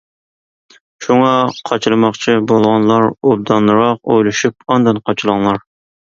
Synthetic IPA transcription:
ʃuŋɑqʰɑt͡ʃʰlˠɨmɑχt͡ʃʰibolˠʁɑnlˠɑɾob̚d̪ɑnːɨɾɑq̚ojlˠɨʃyp̚ɑnd̪ɑnqʰɑt͡ʃʰilˠɑŋlˠɑɾ

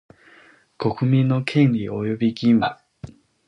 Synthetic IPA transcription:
ko̞kɯ̟mʲĩnːo̞kʰẽ̞nɾʲiojo̞bʲiɡʲĩmːa̰

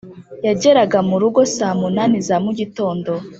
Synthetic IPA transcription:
jaɟe̞ɾaɡamuɾuɡo̞saːmunanizamuɟito̞ːndo̞

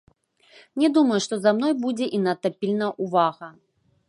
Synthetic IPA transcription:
nʲɛd̪umɐjuʂt̪ɔzamn̪ɔjbud͡zʲɛʔinɐt̪ɐpʲilʲnɐʔuvaɣɐ

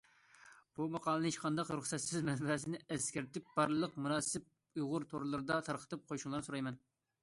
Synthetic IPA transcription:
b̥umɑqʰɑːlˠɨnit͡ʃqʰɑnd̪ɑqɾuχsɛt̪sɪzmɛnbɛsɪnɪɛskʲæɾt̪ɪp̚b̥ɑɾllˠəqmuɾɑːsɨp̚ | ujʁʊɾt̪ʰoɾlˠɨɾɨd̪ɑt̪ʰɑɾqʰə̥t̪ɨp̚qʰojuʃuŋlˠɑɾnɨsuɾɑjmɛn

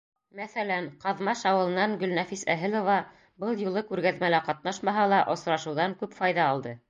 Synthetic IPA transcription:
mæθælænqɑðmɑʃɑwɤ̆lˠɤ̆nɑŋɡɵlnæfisæɦɘlˠŏvɑ | bɤlˠjulˠɤkʉɾɡæðmælæqɑt̪̚nɑʃmɑɦɑlˠɑʔŏsɾɑʃɤ̆wðɑŋkʉpfɑjðɑːlˠd̪ɤ

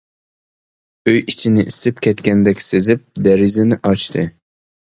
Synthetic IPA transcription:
øjit͡ʃʰinɪʔisɪpkʲʰɛt̪kʲɛnd̪ɛkʲsezɪp̚d̪æɾɪzɪnɪʔɑt͡ʃt̪ʰɨ

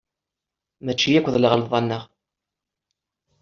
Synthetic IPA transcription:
mæt͡ʃːijækʷːðləʁlðˤɑnːəʁ

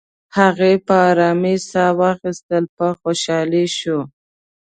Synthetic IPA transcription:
haɣepəːɾɑmesawɑxist̪əlpəxoʃɑleʃu

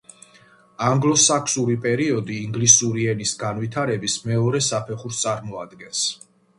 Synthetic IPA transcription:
aŋɡlˠɔsakʰsuɾipʼɛɾiɔd̪iːŋɡlisuɾiɛnisɡanvit̪ʰaɾɛbismɛɔɾɛsapʰɛχuɾst̪sʼaɾmɔad̪ɡɛns

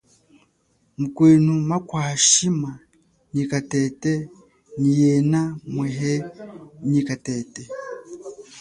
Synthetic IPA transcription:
mukwiːnumakwaːʃima | ɲikatete | nijenameɦeɲikatete

